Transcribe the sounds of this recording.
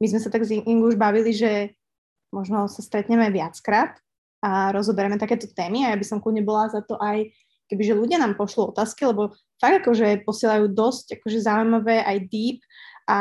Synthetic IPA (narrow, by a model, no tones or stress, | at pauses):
mizmɛsat̪aɡziŋiŋɡuuʒbaʋiliʒɛ | mɔʒnɔsast̪ɾɛt̪ɲɛmɛʋɪat͡skɾaːt̪ | ʔaɾɔzɔbɛɾɛmɛt̪akɛːt̪ɔt̪ɛːmiajabisɔmkludɲɛbɔlazat̪ɔʔaj | kɛbiʒɛluɟɪanaːmpɔʃliɔt̪aːskilɛbɔ | faɡ̚d̪akɔʒɛpɔsɪɛlajuːd̪ɔscakɔʒɛzaujmaʋɛːʔajd̪iːp̚ | ʔa